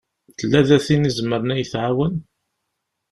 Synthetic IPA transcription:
t̪ːəlːæðæθinizəmːəɾənæjθʕawən

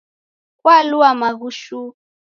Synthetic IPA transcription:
kwaluamaɣuʃu

